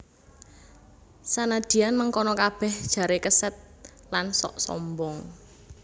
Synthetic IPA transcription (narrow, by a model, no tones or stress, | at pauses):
sanad̪̥i̤janməŋkɔnɔkab̥ɛhd̥ʒ̥a̤ɾekəsət̪̚ | lansɔ̰ʔsɔ̰mbɔŋ